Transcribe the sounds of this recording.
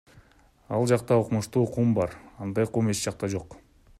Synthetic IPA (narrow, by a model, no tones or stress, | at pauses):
ɑlˠd͡ʒɑqt̪ɑoqmuʃt̪uːqʰumbɑɾɑnd̪ɑjqʰume̞t͡ʃd͡ʒɑq̚t̪ɑd͡ʒo̞q